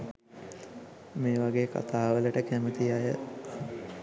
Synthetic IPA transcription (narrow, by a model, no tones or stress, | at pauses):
meːʋaɡeːka̰t̪aːʋələʈəkæmət̪ijajə